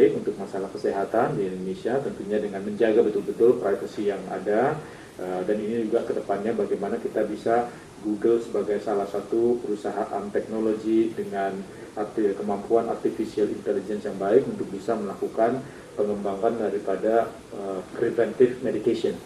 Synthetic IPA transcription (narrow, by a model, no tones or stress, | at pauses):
ɪkunt̪ʊk̚masalahkəseɦat̪andiindonesiat̪ənt̪uɲadəŋanməɲd͡ʒaɡabət̪ʊlbət̪ʊlpɾajvəsijaŋa̰da | ʔədaninid͡ʒuɡakədəpanɲabaɡajmanakit̪abisa | ɡuɡəlsəbaɡajsalahsat̪upəɾusaɦaʔa̰nt̪ɛk̚noloɡidəŋan | art̪ikəmampuana̰rt̪ifisialint̪ɛlid͡ʒɛnsjaŋbaɪkunt̪ʊk̚bisaməlakukan | pəŋəmbaŋkandaɾipada | əpɾivɛnt̪ɪfmedit̪asiɔn